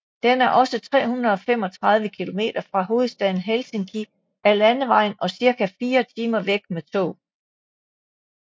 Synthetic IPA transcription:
d̥enæɐʔɒ̽sət͡sʰʁɛ̰ːhunɐðˠɒ̽fem̰ɒ̽t͡sʰʁɑ̈ð̞ˠʋəkʰilo̝me̝̰ːd̥ɐfʁɑ̈ɦo̝ːð̩ˠsd̥ɛðˠn̩ɦelse̝ŋkʰi | æɐlænəʋɑ̈ɪ̰nɒ̽siɐkʰæfiːɐt͡sʰiːmɐʋeɡ̥met͡sʰo̰ː

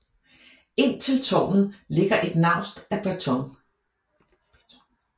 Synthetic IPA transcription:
e̝n̰t͡sʰe̝lt͡sʰɒ̰ːn̩le̝ɡ̥ɐʔe̝d̥nɑ̈ʊ̰sd̥æb̥æt͡sʰɒ̽ŋ

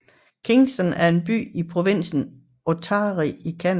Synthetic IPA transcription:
kʰiŋsd̥ɒnæɐe̝nb̥y̰ːipʰʁo̝ʋin̰sn̩ | ʔot͡sʰɑːʁiikʰæn

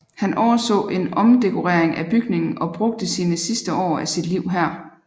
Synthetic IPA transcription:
hænʔɒʊɐsɔ̰̽ːʔe̝nɒ̽md̥e̝kʰo̝ʁeɐ̰eŋʔæb̥yɡ̥ne̝ŋn̩ɒ̽b̥ʁɔ̽ɡ̥̚d̥əsiːnəsisd̥əɒ̰ːæsid̥liʊ̰ɦæɐ̰

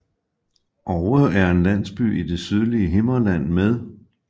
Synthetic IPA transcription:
ʔɒʊəð̩ˠæɐe̝nlæn̰sb̥y̰ːid̥e̝syð̞ˠliəɦe̝mɐlæn̰með̞ˠ

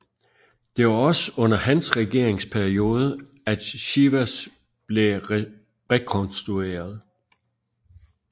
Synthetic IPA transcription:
d̥e̝ʋɑ̈ɒ̽səɔ̽n̰ɐhænsʁɛɡ̥e̝ɐ̰eŋspʰæɐio̝ːð̞ˠə | æd̥ɕiʋæs | b̥le̝ | ʁɛkʰɔnsd̥ʁue̝̰ːɐð̞ˠ

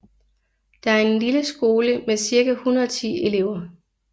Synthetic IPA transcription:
d̥ɑ̈æɐe̝nliləsɡ̥o̝ːləmesiɐɡ̥æhunɐɒt͡sʰḭːe̝le̝ʊ̰ɐ

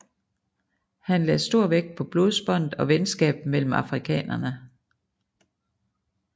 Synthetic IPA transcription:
hænlɛsd̥o̝ɐ̰ʋeɡ̥̚pʰɒ̽b̥lo̝ð̞̩ˠsb̥ɒ̽n̰d̥ɒ̽ʋensɡ̥ɛ̰ːb̥̚mel̰m̩ɑ̈fʁikʰɛ̰ːnɐnə

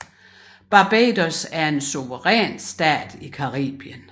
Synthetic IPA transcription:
b̥ɑ̈b̥eːd̥osæɐe̝nsoʋəʁɛ̰ːnsd̥ɛ̰ːd̥ikʰɑ̈ʁḭːb̥jən

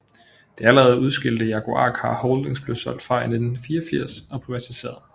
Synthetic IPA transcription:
d̥e̝æləʁɛːð̞̩ˠuð̞ˠsɡ̥e̝l̰d̥əjɑ̈ɡʰo̝ʔɑ̰̈ːɡ̥hɑ̈hɔʊld̥eŋsb̥løʊsɒ̽l̰d̥fʁɑ̈ɪ̰ne̥n̩fiːɒfiɐ̰sɒ̽pʰʁiʋæt͡sʰise̝̰ːɐðˠ

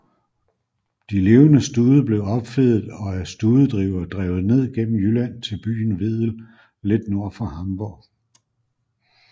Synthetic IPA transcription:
d̥ile̝ːʊənəsd̥uːðˠəb̥le̝ʊɒ̽b̥feðˠð̩ˠɒ̽æɐsd̥uːðˠəd̥ʁḭʊɐd̥ʁɛ̰ːʊð̩ˠne̝ð̞̰ˠɡ̥en̰m̩jylænt͡sʰe̝lb̥y̰ːn̩ʋe̝ð̰ˠl̩ | led̥no̝ɐ̰fʁɑ̈hɑ̈mb̥ɔɡ̥

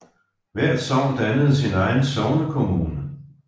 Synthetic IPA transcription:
ʋæɐ̰d̥sɒʊ̰d̥ænəð̞̩ˠsinɑ̈ɪn̩sɒʊnəkʰo̝muːnə

